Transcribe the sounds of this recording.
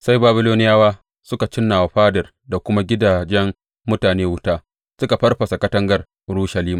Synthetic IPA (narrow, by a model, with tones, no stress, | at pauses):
sa˦jbaː˦bɪ˦loː˦nɪ˦jaː˦waː˦ | sʊ˦ka˨t͡ʃɪ˦nːaː˨wa˨ɸaː˦dɐ˨r | da˨kʷʊ˦ma˦ɡʲɪ˦daː˨d͡ʒɛ˦m | mʊ˦taː˨neː˦wʊ˦taː˦ | sʊ˦ka˨ɸɐ˦rɸɐ˨sa˨kɐ˦tɐ˦ŋɡɐ˨r | ɽuː˦ʃɐ˨liː˦ma˨